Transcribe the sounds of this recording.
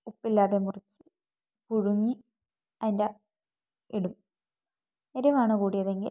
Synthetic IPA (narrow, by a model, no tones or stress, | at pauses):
upːilːaːðemurit͡ɕːɨ̥ | puɻuŋːi | ɐðinde | iɽum | iɾuʋaːɳɨkuːɽijɐðe̞ŋɡḭ